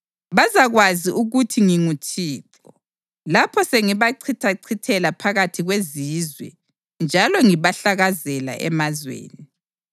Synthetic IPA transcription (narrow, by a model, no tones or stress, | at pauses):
βazaɣwaziʔuɣutʰiŋiŋutʰiːǀ | ɔ | lapʰɔseŋiβaǀʰitʰaǀʰitʰɛlapʰaɣatʰiɣwezizwɛ̰ | nd͡ʒʱalɔŋiβaɬaɣazɛla̰ʔɛ̰mazwḛːni